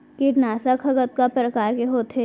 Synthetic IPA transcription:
kɪʈnaːsakʰɐɡət̪̚kapɾəkaːɾkeɦoːt̪ɦeː

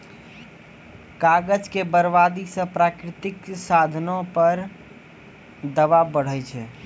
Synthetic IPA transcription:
kaɡəd͡ʒkebəɾbad̪isə̃pɾakɾit̪iksad̪ʱnopəɾ | d̪əʋabəɽ̤ɛt͡ʃʰɛ

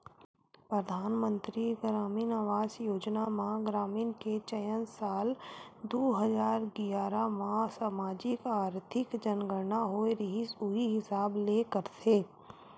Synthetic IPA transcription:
pɾəd̪ʱaːnmə̃nt̪ɾiɡɾaːmiːnaːʋaːzjoːd͡ʒnamãɡɾaːmiːnket͡ʃəjənsaːld̪oːɦəd͡ʒaːɾɡɪjaːɾamãsaːmaːd͡ʒɪkaːɾt̪ʰɪkd͡ʒənɡəɾnaɦoːeɾɪɦisʊɦiɦɪsaːbleːkəɾt̪ʰeː

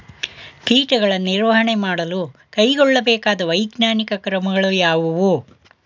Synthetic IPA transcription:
piːʈɐɡɐɭɐnːiɾʋɐɦɐɳemaːɽɐlukɐjɡɔɭːɐbɛːkaːd̪ɐʋɐjɡnaːnikɐkɾɐmɐɡɐɭujaːʋuʋu

